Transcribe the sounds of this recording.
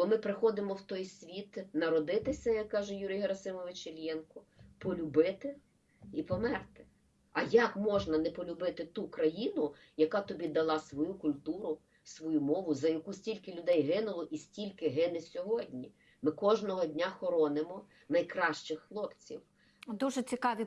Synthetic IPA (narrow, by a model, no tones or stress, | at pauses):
bɔmɪpɾɪxɔd̪ɪmɔwt̪ɔjsʲʋʲit̪nɐɾɔd̪ɪt̪ɪsʲɐjɐkːɑʒɛjuɾʲijɦeɾɐsɪmɔʋɪt͡ʃɪlʲjɛnkɔ | pɔlʲʊbɪt̪ɪ | ipɔmɛrt̪ɪ̥ | ɐjɐkmɔʒnɐnɛpɔlʲʊbɪt̪ɪt̪ukɾɐjinʊ | jɐkɑt̪ɔbʲid̪ɐlˠɑsʋɔjukʊlʲt̪uɾʊ | sʋɔjumɔʋʊzɐjɐkusʲtʲilʲkɪlʲʊd̪ɛjɦɪnʊlˠɔʔisʲtʲilʲkɪɦɪnɪsʲɔɦɔdʲnʲi | mɪkɔʒnɔɦɔdʲnʲaxɔɾɔnɪmɔ | nɐjkɾɑʃt͡ʃɪxxlˠɔpt͡sʲiw | d̪uʒɛt͡sʲikɑʋʲi